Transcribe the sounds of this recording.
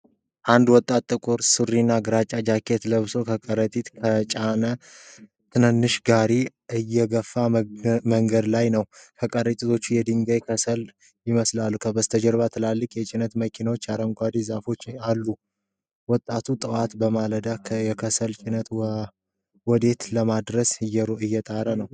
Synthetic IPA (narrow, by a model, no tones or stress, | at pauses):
ʔand̪wɔt̪ʼːat̪ːʼɨkʼʊɾsɨrinːaɡɨɾat͡ʃʼad͡ʒakʰet̪ləβso̞kʰəkʼəɾət̪ʼit̪kʰət͡ʃʼanə | t̪ʰɨnɨnːɨʃɡaɾi | ʔɨjːɛɡəfːaməŋɡəd̪lajnəwkʰəkʼəɾət̪ʼit̪ʰo̞t͡ʃːujɛd̪ɨŋɡəjkʰəsəl | jɪməslalːukʰəbəst̪ʰəd͡ʒɛɾβat̪ʰɨlalːɨkʼjɛt͡ʃʼɪnət̪məkʰinawot͡ʃːaɾəŋɡʷad̪izafo̞t͡ʃːalːu | wɔt̪ʼːat̪ʰut̪ʼɨwat̪bəmaləd̪akʰjɛkʰəsəlt͡ʃʼɪnət̪ | wɔd̪e̞t̪ləmad̪ɾəsɨjːɛɾoɨjːɛt̪ʼaɾənəw